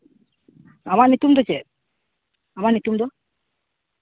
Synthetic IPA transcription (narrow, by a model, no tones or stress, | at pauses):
amaʔnit̪umd̪ɔt͡ʃɛʔ | amaʔnit̪umd̪ɔ